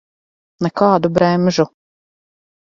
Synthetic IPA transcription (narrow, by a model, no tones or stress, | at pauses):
nɛkɑːd̪ubɾɛmʒu